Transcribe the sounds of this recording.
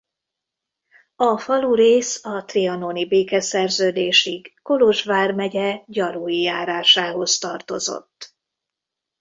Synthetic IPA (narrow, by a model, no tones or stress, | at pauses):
ɒfɒluːɾeːsɒt̪riɒnoːnibeːkɛsɛrzøːd̪eːʃiɡːoloʒʋaːrmɛɟɛɟɒɾujijaːɾaːʃaːɦo̞st̪ɒrt̪o̞̰zo̞̰t̪ː